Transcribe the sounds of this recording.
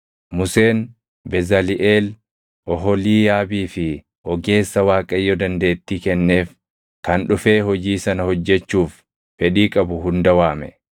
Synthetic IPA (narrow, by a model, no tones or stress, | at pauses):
mʊse̞ːn | bɛzɐlɪʔeːl | ʔɔɦɔliːjaːbiːfɪ | ʔɔɡe̞ːsːɐwaːkʼɐjːɔd̪ɐnd̪e̞ːt̪ːiːkɛnːe̞ːf | kɐnᶑʊfe̞ːɦɔd͡ʒiːsɐnɐhɔd͡ʒːɛt͡ʃːuːf | fɛᶑiːkʼɐbʊɦʊnd̪ɐwaːmɛ